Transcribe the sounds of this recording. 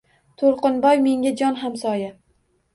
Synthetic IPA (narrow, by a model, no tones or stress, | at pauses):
t̪ʰoɾqɨnbɒjme̞ŋɡʲad͡ʒɒnɦamsɒja